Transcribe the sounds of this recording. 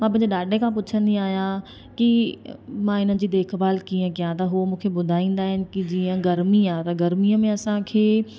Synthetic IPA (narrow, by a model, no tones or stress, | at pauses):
mãpɐ̃ɦɪ̃ɲd͡ʑeɗaːɖʱẽkʰãpʊt͡ɕʰə̃nd̪iaːɦijã | ki | mãɪn̤ənɪ̆d͡ʑiːd̪eːkʰbaːlkiːə̃kijãt̪ɐɦumũːkʰebʊd̪ʱaːĩːn̆d̪aːɦɪnɪ̆kid͡ʑiːə̃ɡɐɾmiat̪ɐɡɐɾmiəmẽɐsãkʰeː